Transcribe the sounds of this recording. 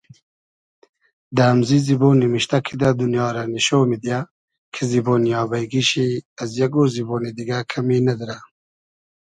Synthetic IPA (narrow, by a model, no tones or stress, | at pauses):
d̪amziziboːnimiɕt̪akʰid̪ad̪unjɑːɾaniʃoːmid̪ja | kʰeziboːnijɑːbɐjɡiɕiɐzjaɡoziboːnid̪iɡakʰaminɐd̪ɾa